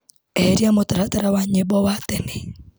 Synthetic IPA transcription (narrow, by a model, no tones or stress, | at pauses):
ɛɾiamotaɾataɾawaɲebɔwatɛne